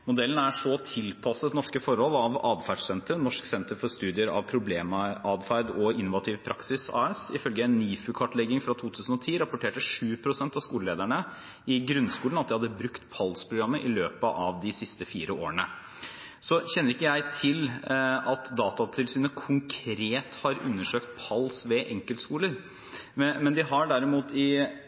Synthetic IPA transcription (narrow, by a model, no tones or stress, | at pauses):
mʊd̪ɛlːn̩æʂɔt̪ʰɪlpʰɑsət̪nɔʂkəfɔɾhɔlɑʋɑːd̪fæɖsɛnt̪əɾnɔʂksɛnt̪əɾfɔɾst̪ʉːd̪ɪəɾɑ̰ʋpʰɾʊbleːmɑʔɑd̪fæɪd̪ɔɪnːʊʋɑt̪ʰiːʋpʰɾɑksɪsɑ̰ːɛsɪfœlɡəɛnːiːfʉkʰɑʈlɛɡɪŋfɾɑt̪ʰuːt̪ʰʉːsən̩ɔt̪ʰiːɾɑpʊʈʰeːʈəʂʉːpʰɾʊsɛnt̪ɑʋskuːləleːd̪æɳə | ɪɡɾʉnskuːlnɑt̪d̪ɪhɑd̪ːəbɾʉkt̪pʰɑlspʰɾʊɡɾɑmːəʔɪløːpəʔɑʋd̪ɪsɪst̪əfiːɾəo̰ːɾəɳə | sɔçɛnːəɾɪkːəjæɪt̪ʰɪlɑt̪d̪ɑːt̪ɑt̪ʰɪlsyːnəkʰʊŋkʰɾeːt̪hɑɾʉ̰nːəʂøːkt̪̚pʰɑlsʋɛʔɛŋkəlt̪skuːləɾ | mmɛnd̪ɪɦɑɖæɾɪmuːt̪ɪ